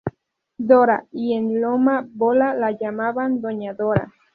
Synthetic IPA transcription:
d̪oɾa̰ienlomabolalajamaβand̪oɲaðoɾa̰

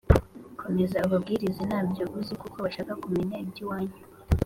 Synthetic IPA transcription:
kʰo̞me̞zauβabɡiːɾizenaːbɟoβuzikuko̞βaʃaːkakumeɲaibdiwaːɲu

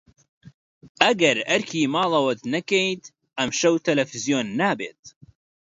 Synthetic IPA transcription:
ʔɐɡɐɾɐɾkʰiːmɑːlɐwɐt̪nɐkejt̪ | ʔɐmʃɐwt̪ʰɐlɐfizijoːnːaːbḛːt̪̚

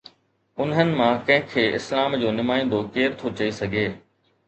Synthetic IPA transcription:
ʊnɦənɪ̆mãkɐ̃ɦɪ̃kʰeːɪslaːmd͡ʑoːnɪmaːĩːn̆d̪okeːɾt̪ʰot͡ɕɐisɐɡʱeː

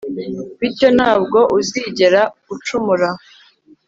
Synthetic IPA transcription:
βiɾco̞n̥haːb̚ɡo̞ʔuziːɟe̞ɾaɡ̥ut͡ʃumuɾa

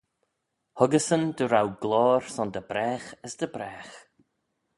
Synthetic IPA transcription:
hʊɡəsənd̪əɾawɡlɔːɾsɔnd̪əb̥ɾɛːxəsd̪əbɾɛːx

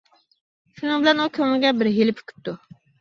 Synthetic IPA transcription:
ʃunɨŋbɪlɛnukʲʰøŋɪɡʲɛbɪɾɦelɪpʰy̥kʲʰy̥p̚t̪ːu

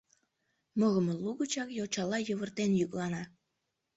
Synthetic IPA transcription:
məɣəməluɣət͡ɕɑkjot͡ɕɑlɑjəβərt̪enjyklɑnɑ

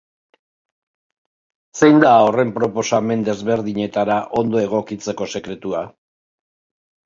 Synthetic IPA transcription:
se̞jnd̪ao̞re̞mpɾo̞po̞same̞nd̪e̞zβe̞ɾðiɲe̞t̪aɾaʔo̞nd̪o̞e̞ɣ̞o̞kit͡se̞ko̞se̞kɾe̞t̪ua

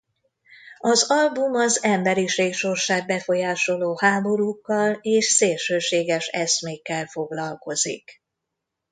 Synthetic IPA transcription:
ɒzɒlbumɒzɛmbɛɾiʃeːkʃo̞rʃaːɡ̚bɛfo̞jaːʃo̞loːhaːbo̞ɾukːɒleːʃseːlʃøːʃeːɡɛʃɛsmeːkːɛlfo̞ɡlɒlko̞zḭk

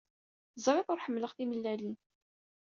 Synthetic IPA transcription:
zˤɾæfʊɾħəmːləʁθiməlːælin

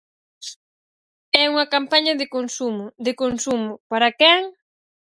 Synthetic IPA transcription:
ɛuŋɐkampaɲɐðɪkonsumʊd̪ɪkonsumʊpaɾɐkɛŋ

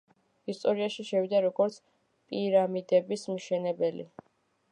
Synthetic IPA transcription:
ist̪ʼɔɾiaʃiʃɛvid̪aɾɔɡɔɾt̪sʰ | pʼiɾamid̪ɛbismʃɛnɛbɛlḭ

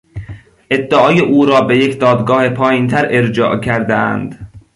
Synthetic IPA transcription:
ʔe̞d̪ːeʔɒːjeʔuːɾɒːbejecʰd̪ɒːd̪ɡɒːhepʰɒːjiːnt̪ʰæɾʔeɾd͡ʒɒ̰ːʔcʰæɾd̪eæ̰nd̪̥

